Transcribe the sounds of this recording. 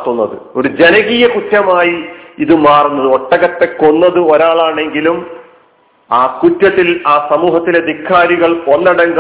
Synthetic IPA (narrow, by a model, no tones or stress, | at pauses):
t̪ːunːɐðɨ̰o̞ɾud͡ʑe̞nɐɣijɐkutːɐmaːjiiðɨmaːrunːɐðɨo̞ʈːɐɣɐt̪ːe̞ko̞nːɐðɨo̞ɾaːɭaːɳe̞ŋɡilum | aːkutːɐt̪ːilaːsɐmuːɦɐt̪ːileɐd̪ʱikʰːaːɾiɣɐɭo̞nːɐɽɐŋɡɐ